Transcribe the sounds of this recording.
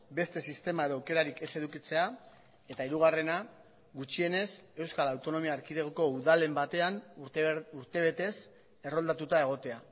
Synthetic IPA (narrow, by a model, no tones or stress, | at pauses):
be̞st̪e̞sist̪e̞mae̞ðo̞wke̞ɾaɾike̞se̞ðukit͡se̞a | e̞t̪aiɾuɣ̞are̞na | ɡut͡ʃie̞ne̞se̞wskalawt̪o̞no̞miaːɾkit̪eɣoko̞uðale̞mbat̪e̞an | uɾt̪e̞β̞e̞t̪e̞s | e̞ro̞ld̪at̪ut̪ae̞ɣ̞o̞t̪e̞a